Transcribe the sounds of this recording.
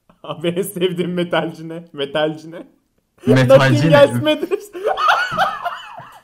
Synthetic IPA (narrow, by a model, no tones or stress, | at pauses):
abenisɛvd̪iːmːet̪ʰalʲd͡ʒinɛmet̪ʰalʲd͡ʒinɛ | met̪aaiɟælʲt̪med̪iɾ